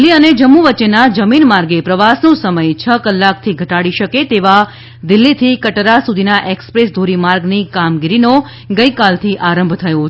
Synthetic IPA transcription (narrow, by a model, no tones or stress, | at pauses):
lːiəned͡ʒəmːuʋətːt͡ʃenad͡ʒəminmaɾɡepɾəʋasnõsəməjt͡ʃʰəkəlːak̚t̪ʰiɡʱəʈaɽiʃəket̪eʋa | d̪ɪlːit̪ʰikəʈɾasud̪ʱinaʔekspɾesd̪ʱoɾimaɾɡnikamɡiɾino | ɡəjkalt̪ʰiʔaɾə̃mbʱt̪ʰəjo